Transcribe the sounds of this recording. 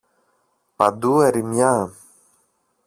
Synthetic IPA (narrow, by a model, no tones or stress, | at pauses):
pa̰d̪uɛɾimja